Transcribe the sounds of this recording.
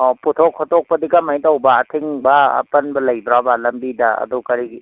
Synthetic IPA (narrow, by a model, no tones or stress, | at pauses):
ɔputʰokʰːɔtʰɔk̚pɐdikamajtawbɐːtʰiŋbɐ̰ːpɐnbɐlɐjbɾabalɐmbidɐɐ̰dukɐɾiɡi